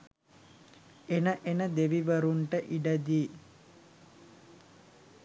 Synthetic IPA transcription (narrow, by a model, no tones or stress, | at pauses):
enəʔenəd̪eʋiʋəɾuɳʈəʔiɖəd̪iː